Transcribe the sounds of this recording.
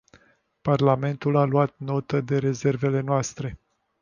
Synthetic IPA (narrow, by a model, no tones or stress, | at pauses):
parlame̞nt̪ulaluat̪̚no̞t̪əd̪e̞ɾe̞ze̞rve̞le̞noast̪ɾe̞